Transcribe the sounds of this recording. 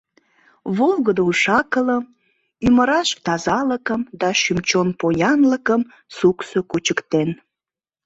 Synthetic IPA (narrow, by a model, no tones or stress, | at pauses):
βolɣəd̪ouʃɑkələm | yməɾɑʃ̚t̪ɑzɑləkəmd̪ɑʃymt͡ɕonpojɑnləkəm | suksokut͡ɕəkt̪en